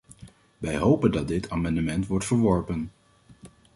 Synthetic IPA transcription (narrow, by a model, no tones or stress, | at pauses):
ʋɛjɦowpəndɑt̚dɪtʰaːmɑndəmɛntʋɔɹtfəɹʋɔɹpən